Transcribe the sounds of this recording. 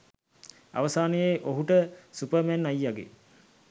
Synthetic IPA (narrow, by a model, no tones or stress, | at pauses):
a̰ʋəsaːnəjeʔoɦuʈəsupəmænajːaɡḛ